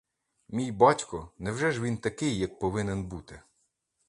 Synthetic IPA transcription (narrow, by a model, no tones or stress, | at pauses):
mʲijbɑtʲkɔnɛwʒɛʒʋʲint̪ɐkɪjːɐk̚pɔʋɪnɛnbut̪ɪ